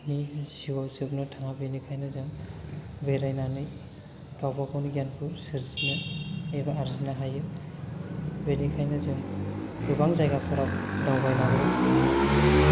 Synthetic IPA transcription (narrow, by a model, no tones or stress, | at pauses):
niziwasɯk̚nɯtʰaŋabenikʰajnɯzɯm | beɾajnanɯj | ɡ̥awbapʰawnɡjanpʰusɯɾsnɯebaaɾzinaɦajɯ | benikʰajnɯzɯmdubaŋzajɡapʰɯɾap̚dawbajnabɯj